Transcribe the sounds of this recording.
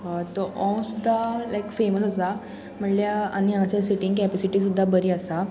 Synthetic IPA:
t̪ɔʔɔ̃sud̪ʱːalajkfeməsasa | m̤əʈljaa̰ñiãt͡ɕjasiʈiŋɡkɛpɛsiʈisud̪ʱːabəɾiːasa

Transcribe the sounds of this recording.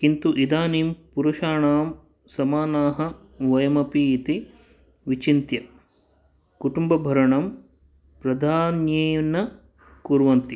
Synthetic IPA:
kint̪uʔid̪aːniːmpuɾuʃaːɳaːm | sɐmaːnaːɦɐ̆ | ʋɐjɐmɐpiːt̪i | ʋit͡ʃint̪jɐ | kuʈumbɐbʱɐɾɐɳɐm | pɾɐd̪ʱaːnjeːnɐ | kuɾʋɐnt̪i

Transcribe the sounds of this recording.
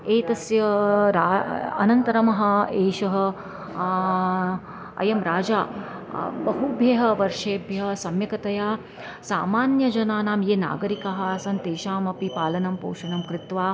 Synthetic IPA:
eːt̪ɐsjɐɾaːɐ̰nɐnt̪ɐɾɐmɐɦɐ̆eːʃɐɦɐ̆ | ɐ̰jɐmɾaːd͡ʒaː | bɐɦubʱjeːɦɐ̆ʋɐɾʂeːbʱjɐɦɐsɐmjɐkɐt̪ɐjaː | saːmaːnjɐd͡ʒɐnaːnaːmjeːna̰ːɡɐɾikɐɦɐ̆ɐsɐnt̪eːʃaːmɐpipaːlɐnɐmpo̰ːʂɐnɐmkɾɪt̪ʋaː

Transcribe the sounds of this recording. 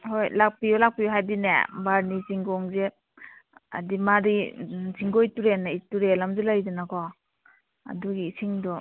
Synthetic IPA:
hojlak̚piɔlak̚piɦajdinḛbaɾniziŋɡɔŋze | a̰dimaɾiziŋɡojtuɾenaituɾelamzelajdunakɔ | a̰duɡiːsʰiŋdɔ

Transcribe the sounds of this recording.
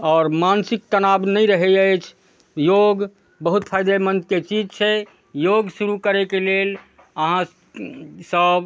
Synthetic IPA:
ɔːɾmansik̚t̪ənabnəjɾəɦɛəjt͡ʃʰ | joɡ | bəɦut̪pʰajd̪emənd̪̚ket͡ʃid͡ʒt͡ʃʰɛ | joɡsuɾukəɾekelel | əɦã | səb

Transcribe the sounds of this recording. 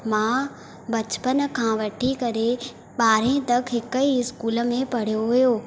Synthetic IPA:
mãː | bɐt͡ɕpənkʰãːʋɐʈʰikɐɾe | ɓaːɾẽt̪ɐkɦɪkəiɪskuːlə̆mẽpɐɽ̤joɦʊjoː

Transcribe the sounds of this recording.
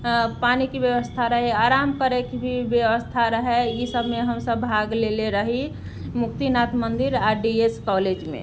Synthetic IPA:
paːnikibjəwəst̪ʰaɾəɦɛaːɾamkəɾekbʱibjəʋəst̪ʰaɾəɦɛjisəbʱmeɦəmsəbːbʱaɡleleɾəɦi | mʊk̚t̪inat̪mənd̪iɾaɾɖieskɔled͡ʒmḛ̃

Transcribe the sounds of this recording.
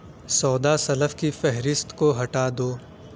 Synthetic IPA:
sɔːd̪asɐləfkifɛɦɾɪst̪koɦɐʈaːd̪oː

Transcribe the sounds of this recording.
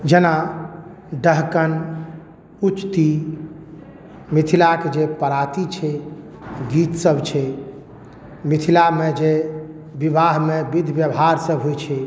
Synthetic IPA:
d͡ʒena | ɖəɦkən | ut͡ʃt̪i | mit̪ʰilaked͡ʒepəɾat̪it͡ʃʰɛ | ɡit̪səbʱt͡ʃʰɛ | mit̪ʰilamed͡ʒe | bibaɦmebid̪ʱbjəbɦaɾsəbɦojt͡ʃʰɛ

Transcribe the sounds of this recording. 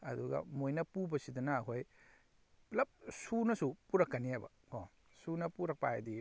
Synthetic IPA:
ɐ̰duɡɐ̰mojnɐpubɐsidɐnɐːkʰoj | lɐp̚sunɐsupuɾɐkːɐniajbɐ̰ | ko | sunɐpuɾɐk̚pa̰a̰di

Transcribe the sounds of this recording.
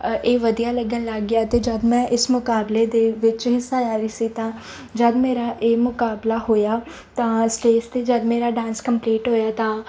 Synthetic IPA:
eːʋəd̪ijaːləɡənləɡːɪjaːt̪eːd͡ʒəd̪mɛ̃ːʔɪsmʊkaːbleːd̪eːʋɪt͡ʃɦɪsːaːd͡ʒaːɾiːsiːt̪ãː | d͡ʒəd̪meːɾaːʔeːmʊkaːblaːɦoːjaː | t̪ãːsʈeːst̪eːd͡ʒəd̪meːɾaːɖãːnskəmpliːʈɦoːjaːt̪ãː

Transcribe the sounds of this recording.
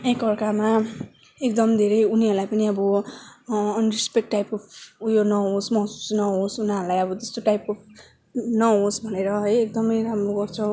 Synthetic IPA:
ekʌrkama | ekd̪ʌmd̪ʱeɾʌjuniɦʌɾlajpʌniʌbʌː | nrispek̚ʈːajp̚kopʰujonʌɦosmʌɦsu̥snʌɦosunaʌɾlajʌbʌt̪e̥st̪oʈajpo | nʌɦosbʱʌneɾʌɦʌjek̚d̪ʌmʌjɾamroɡʌrt͡sʰʌ

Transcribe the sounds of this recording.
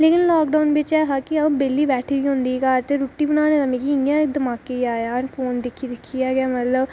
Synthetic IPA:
leːkɪnlɔːkɖaːnbeːt͡ʃɛːɦaːkiɐbeːlːiːbɛːʈʰibiɦʊ̃nd̪iːkaːɾt̪eɾuːʈːiːbənaːneːt̪əmẽːkiɪjãɪk̚d̪əmaːkeiaːjanpʰoːnd̪ɪkʰːid̪ɪkʰːijaːɡɪjaːmət̪ləb

